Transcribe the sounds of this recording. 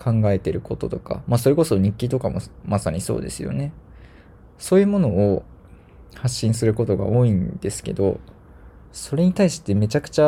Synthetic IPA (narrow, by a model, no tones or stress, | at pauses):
kʰãŋɡae̞t̪e̞ɾɯ̟ko̞t̪o̞t̪o̞ka̰maso̞ɾe̞ko̞so̞ɲ̟ikʲːit̪o̞kamo̞masaɲ̟iso̞̰ːd̪e̞̰sɨjo̞̰ne̞ | so̞ːjɯ̟ːmo̞no̞o | haɕːĩɰ̃sɨɾɯ̟ko̞t̪o̞ɡa̰o̞ːĩnd̪̥e̞sɨ̥ke̞̰d̪o̞̰ | so̞ɾe̞ɲ̟it̪aiɕi̥t̪e̞me̞t͡ɕakɯ̟̥t͡ɕa